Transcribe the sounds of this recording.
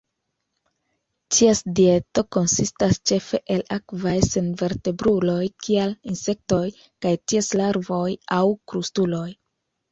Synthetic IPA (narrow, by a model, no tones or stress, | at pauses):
t͡ʃiasdie̞to̞ko̞nsistast͡ʃe̞fe̞ʔe̞lakvajse̞nve̞ɾte̞bɾulo̞jkʰialinse̞k̚to̞j | kajtieslaɾvo̞jawkɾustulo̞j